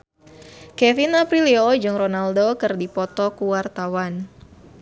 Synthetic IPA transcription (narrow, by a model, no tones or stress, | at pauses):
kɛvinapɾiliod͡ʒɨŋronaldokɨrdipɔt̪ɔkuwart̪awan